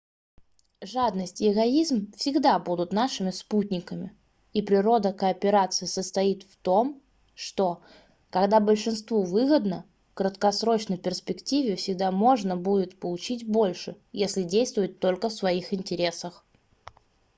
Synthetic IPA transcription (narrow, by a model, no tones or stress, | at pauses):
ʐad̪nəsʲtʲɪɪɡɐizmfsʲɪɡd̪abud̪ʊt̪naʂɨmʲɪsputʲnʲɪkəmʲɪ | ipɾʲɪɾo̞d̪əkəːpʲɪɾat̪sɨɪsəst̪ɐit̪ft̪om | ʂt̪o̞ | kɐɡd̪abəlʲʂɨnst̪vuvɨɣəd̪nə | kɾət̪kɐsɾo̞t͡ɕnəjpʲɪrspʲɪktʲivʲɪfsʲɪɡ̚d̪amo̞ʐnəbudʲɪt̪pəlˠʊt͡ɕitʲbo̞lʲʂɨ | jesʲlʲɪdʲejst̪vʊjɪt̪ːo̞lʲkəfsvɐixɪnʲtʲɪɾʲe̞səx